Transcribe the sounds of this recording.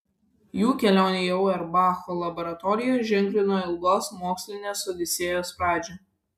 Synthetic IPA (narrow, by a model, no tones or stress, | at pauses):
juːkʲɛlʲæˑʊnʲejɛʊɛɾbɑːxoːlˠɐbɔɾɐt̪ɔɾʲɪjoːʒʲɪŋʲklʲɪnoːɪlˠɡoːsmoːksʲlʲɪnʲeːsod̪ʲɪsʲeːjoːspɾɑːd͡ʒʲɛ